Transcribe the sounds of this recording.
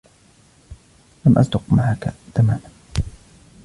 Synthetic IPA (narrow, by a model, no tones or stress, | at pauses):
lamʔa̰sd̪ʊqmaʕakat̪amaːʔan